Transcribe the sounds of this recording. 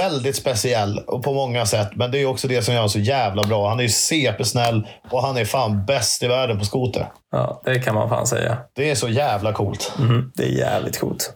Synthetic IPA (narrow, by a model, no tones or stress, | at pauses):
ɛld̪ɪt̪spɛsɪɛlːɔpʰɔmɔŋːasɛt̪ːmɛnd̪ɛæjɔksɔd̪ɛsɔmjœːaʂɔjæːvlabɾɑːhanæjseːpəʂnɛlːɔɦanæɾfaːnbɛst̪ɪvæːɖənpʰɔskuːt̪ə̰ | jɑ̰ːd̪̥ɛkʰanma̰nfa̰ːnsɛ̰jːa̰d̪̥ɛæʂɔjæːvlakʰuːlt̪ɛæ̰ɾjæːvlɪ̰t̪̚kʰṵːlt̪